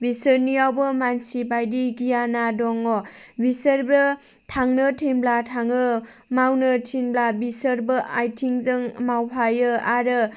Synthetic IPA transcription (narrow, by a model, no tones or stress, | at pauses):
bisɯɾniawbɯmansibajdiɡijanadɔŋɔbisəɾbɯ | tʰaŋnɯtʰinblatʰaŋɯ | mawnɯtʰinblabisəɾbɯʔajtʰiŋzɯŋmawpʰajɯaɾɯ